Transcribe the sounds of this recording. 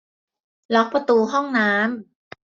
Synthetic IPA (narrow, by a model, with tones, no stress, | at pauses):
lɔ˦˥k̚pɾa˧t̪uː˧ɦɔ˥˩ŋnaː˦˥m